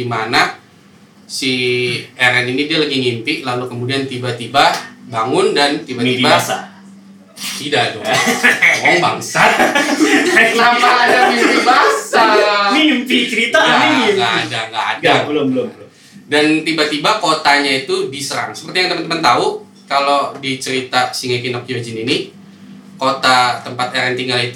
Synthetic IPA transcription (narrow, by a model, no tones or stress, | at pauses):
imana | siɛɾɛninidialaɡiŋimpɪʔlalukəmudiant̪ibat̪ibabaŋʊndant̪ibat̪ibaa̰ | t̪idado | ɔŋbaŋsa | lamadamibasaipit͡ʃəɾit̪aaiŋɡaːdaŋɡa̰ːdabəlbə | dant̪ibat̪ibakot̪aɲait̪udisəɾa̰ŋsə̥pərt̪ijaŋd̪əmənt̪əmənt̪au | kalodit͡ʃəɾit̪asiŋakinɔk̚jod͡ʒinini | kot̪at̪əmpat̪ɛɾɛnt̪iŋɡalit̪u